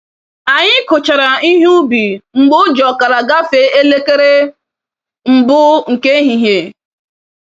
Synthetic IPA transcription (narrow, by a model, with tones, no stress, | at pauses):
a˨ɲɪ˦kʊ˨t͡ʃa˨ɾa˨i˦ɦʊ˦bi˨ŋ͡m̩˨ɡ͡bʊ˦d͡ʒɔ˨ka˨ɾa˨ɡa˦fe˨˦e˦le˦ke˦ɾe˦ | ŋ͡m̩˨bʊ˦ŋ̩˨ke˦ɦi˨ɦe˨